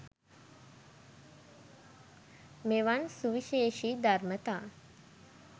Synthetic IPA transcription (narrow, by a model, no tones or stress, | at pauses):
meʋansuʋiʃeːʃiːd̪aɾmət̪aː